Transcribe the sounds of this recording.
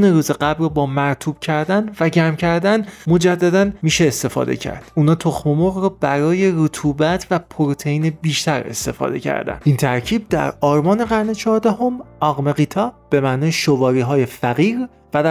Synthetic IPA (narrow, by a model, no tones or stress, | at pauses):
neɾuːzeɢæbɾɒbɒːmæɾt̪ʰuːb̥̚cʰæɾd̪ænvæɟæmcʰæɾd̪ænmo̞d͡ʒæd̪ːæd̪ænmiːʃeːst̪e̞fɒ̰ːd̪e̞̰cʰæ̰ɾd̪̥ʔuːnɒːt̪ʰo̞xmomoɣrɒːbæɾɒːje̞ɾot̪ʰuːbæt̪ʰvæpʰoɾot̪ʰe̞iːnebiːʃt̪æɾe̞̰st̪e̞fɒ̰ːd̪e̞̰cʰæ̰ɾd̪æ̰nʔiːnt̪ʰæɾcʰiːb̚d̪æ̰ɾɒːɾmɒːne̞ɣæɾne̞t͡ʃʰɒːɾd̪æho̞mɒːɣme̞ɣit̪ʰɒːb̥e̞mæʔnɒːjeʃovɒːɾiːɦɒːje̞fæɣiːɾ | væd̪